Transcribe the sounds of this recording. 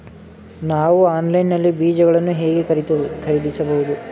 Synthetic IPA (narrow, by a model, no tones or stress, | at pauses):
naːʋuaːnlɐjnːɐlːibiːd͡ʒɐɡɐɭɐnːuɦeːɡeɾkʰɐɾiɽisɐbɐɦud̪u